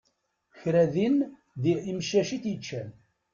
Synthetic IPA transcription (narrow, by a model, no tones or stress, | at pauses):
çɾæðin | ðiimʃæʃiθjət͡ʃːæn